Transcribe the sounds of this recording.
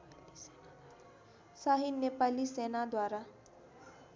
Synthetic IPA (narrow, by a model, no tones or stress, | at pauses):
saɦinepalisenad̪waɾa